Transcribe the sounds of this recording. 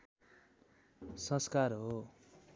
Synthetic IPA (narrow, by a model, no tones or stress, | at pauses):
sʌ̃skarɦo